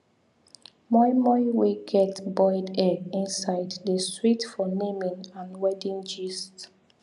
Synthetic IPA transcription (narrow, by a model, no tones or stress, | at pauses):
mɔɪmɔɪweɡɛtbɔɪdɛɡĩnsaɪddəsɹitfɔnemĩnãnwɛdĩŋd͡ʒist